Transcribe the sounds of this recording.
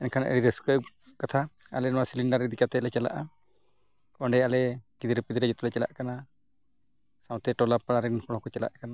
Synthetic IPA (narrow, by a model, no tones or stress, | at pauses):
ɛnkʰanʔə̰ɽiɾəskə | kat̪ʰaa̰lɛnɔwasiliɳɖaɾid̪ikat̪ɛlɛt͡ʃɛla̰ʔa | kɔɳɖɛalɛkid̪iɾəpid̪iɾɛd͡ʒɔt̪ulɛt͡ʃɛla̰ʔkana | sãw̃t̪ɛʈɔlapaɽ̃aɾɛnpʰɔɽ̃ɔkɔt͡ʃɛla̰ʔkana